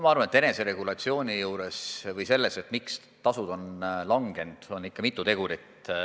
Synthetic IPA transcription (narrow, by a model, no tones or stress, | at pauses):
mɑɑrvɑnet̪ːe̞ne̞se̞ɾe̞ɡ̥ulɑt̪sio̞ːnʲijuːɾe̞svɤjse̞lːe̞se̞t̪ːˑmiks | t̪ɑsud̪o̞nlɑŋɡ̥e̞nd̪̥o̞nːikːɑmit̪ːˑut̪e̞ɡ̥uɾit̪